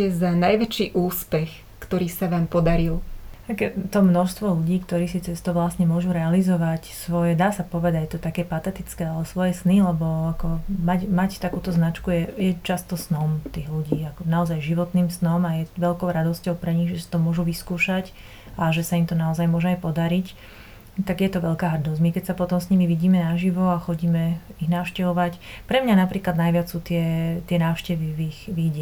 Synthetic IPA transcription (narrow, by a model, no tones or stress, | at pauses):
ɛzanajʋɛt͡ʃiːʔuːspɛx | kt̪ɔɾiːsaʋaːmpɔd̪aɾilt̪aɡjɛt̪ɔmnɔʃst̪ʋɔluɟiːkt̪ɔɾiːsit͡sɛst̪ɔʋlasɲɛmʊɔʒuɾɛalizɔʋacsʋɔjɛd̪aːsapɔʋɛd̪act̪ɔt̪akɛːpat̪ɛt̪it͡skɛːalɛsʋɔjɛsnilɛbɔakɔmacmact̪akuːt̪ɔznat͡ʃkujɛjɛt͡ʃast̪ɔsnɔmt̪iːɣluɟiːakɔnaɔzajʒiʋɔt̪niːmsnɔmajɛʋɛʎkɔʊɾad̪ɔscɔʊpɾɛɲiɣʒɛsḁt̪ɔmʊɔʒuʋiskuːʃac | ʔaʒɛsaimt̪ɔnaɔzajmʊɔʒɛajpɔd̪aɾic | t̪aɡjɛt̪ɔʋɛʎkaːɦrd̪ɔmikɛcsapɔt̪ɔmsɲimiʋiɟiːmɛnaʒiʋɔaxɔɟiːmɛiɣnaːʊʃcɛʋɔʋacpɾɛmɲanapɾiːklad̪najʋɪat͡ssuːt̪ɪɛt̪ɪɛnaːʊʃcɛʋiʋixʋiɟɪɛ